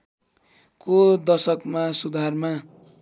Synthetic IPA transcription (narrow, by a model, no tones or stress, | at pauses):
kod̪ʌsʌkmasud̪ʱarma